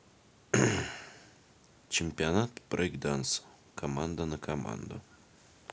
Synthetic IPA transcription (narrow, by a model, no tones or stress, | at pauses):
t͡ɕɪmʲpʲianat̪̚prɡd̪ans | kʰɐmand̪anəkʰɐma̰nd̪ə̰